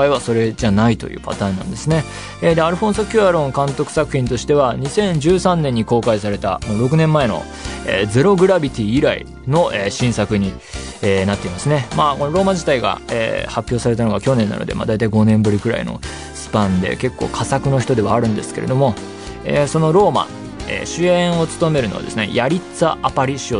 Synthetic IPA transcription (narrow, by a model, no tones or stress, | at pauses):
kaiβaso̞ɾe̞d͡ʑanait̪o̞̰jɯ̟̰ːpa̰t̪aːnːã̰nd̪e̞sɨne̞ | ed̪eaɾɯ̟ɸõsokʲɨaɾõ̞ŋkãnt̪o̞kɯ̟̥sakɯ̟̥çĩnt̪o̞ɕi̥t̪e̞βaɲ̟isẽ̞ɲ̟d͡ʑɨːsãnːẽ̞ɲ̟ːiko̞ːkaisaɾe̞t̪anoɾo̞k̬ɯ̟nẽ̞mːae̞no̞̰ | ḛd͡ze̞ɾo̞ɡɯ̟ɾabʲit̪ʲiːɾaḭ | no̞ʔeɕĩɰ̃sakɯ̟ɲ̟ienat̪ːe̞imasɨne̞maːko̞noɾo̞ːmaʑit̪aiɡa̰ḛːhapʲːjo̞ːsaɾe̞t̪anoɡakʲo̞nenːa̰nod̪e̞̰ma̰d̪ait̪aiɡo̞nẽ̞mbɯ̟ɾʲikɯɾa̰ḭno̞̰ | sɨ̥pãnd̪e̞̰ke̞kːo̞̰ːkʰasakɯ̟no̞çi̥t̪od̪e̞β̞aːɾɯ̟̃nd̪e̞sɨ̥ke̞ɾe̞d̪o̞mo̞ | ḛːso̞no̞ɾo̞ːma̰ | ḛːɕɨẽɰ̃o̞t͡sɨ̥t̪o̞me̞ɾɯ̟no̞a̰d̪e̞sɨne̞̰jaɾʲit͡saʔapaɾʲiɕio